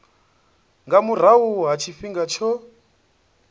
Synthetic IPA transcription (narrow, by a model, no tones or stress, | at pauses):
ŋɡamuɾ̤aɦuɦat͡ʃʰifiŋɡat͡ʃʰɔ